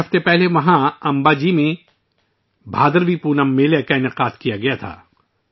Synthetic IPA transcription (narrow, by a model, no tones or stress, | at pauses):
ɐft̪epɛɦleʋɐɦãɐ̃mbaːd͡ʒimẽ | bʱaːd̪əɾʋipuːnɐmːeːlekaɪnɪqaːd̪kijaɡɐjat̪ʰa̰ː